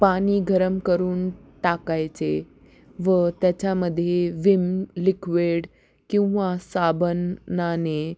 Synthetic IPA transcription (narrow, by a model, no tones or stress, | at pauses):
paɽ̃iːɡʱəɾəmkəɾuːnʈakajt͡se | ʋət̪jat͡ɕaməd̪ʱːjeʋimlikʋeɽ | kĩw̃ʋasabənːane